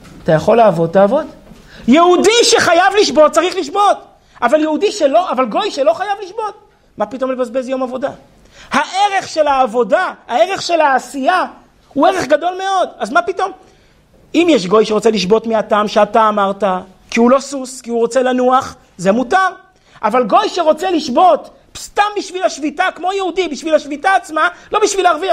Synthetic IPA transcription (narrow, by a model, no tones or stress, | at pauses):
atajaχo̞lːaːvo̞d̚taːvo̞d | jeudiʃe̞χajavliʃbo̞t̚t͡saʁiχliʃbo̞t | ʔavaljeudiʃelo̞ʔavalɡo̞jʃelo̞χajavliʃbo̞t̚ | mapito̞mlebazbe̞zjo̞mavo̞da | haʔe̞ʁe̞χʃe̞laːvo̞daae̞ʁeχʃe̞laːsija | hueʁeχɡado̞lme̞o̞dazmapito̞m | imjeʃɡo̞jʃe̞ʁot͡seliʃbo̞tmeataːmʃeataːmaʁta | kiulo̞suskiuʁo̞t͡se̞lanuaχ | ze̞mutaʁ | ʔavalɡo̞jʃeʁo̞t͡se̞liʃbo̞t | st̪ambiʃvilaʃvitakmo̞jehudibiʃvilaʃvitaːt͡smalo̞biʃvilaʁvia